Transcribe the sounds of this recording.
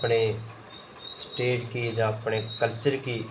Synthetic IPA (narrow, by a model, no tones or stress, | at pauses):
pɳeː | sʈeːʈkiːd͡ʒãːəpɳeːkəlt͡ʃəɾkiː